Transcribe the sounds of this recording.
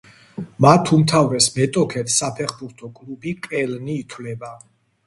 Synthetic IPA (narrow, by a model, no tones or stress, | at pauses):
mat̪ʰumt̪ʰavɾɛsmɛt̪ʼɔkʰɛt̪ʰsapʰɛχbuɾt̪ʰɔkʼlubikʼɛlniːt̪ʰwvlɛba